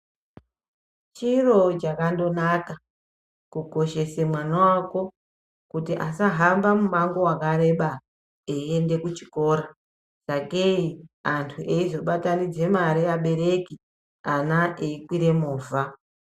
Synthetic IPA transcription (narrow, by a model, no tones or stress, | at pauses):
t͡ʃiro̞t͡ʃakando̞naka | kuko̞ʃe̞semwanawako̞ | kutiʔasaɦambamumaŋɡo̞wakaɾe̞ɓa | eie̞nde̞kut͡ʃi̥ko̞ːɾa | sakeiantʰuʔe̞izo̞ɓatanid͡ze̞maɾijaɓe̞ɾe̞ki | anaʔeikwiɾe̞moːvʱa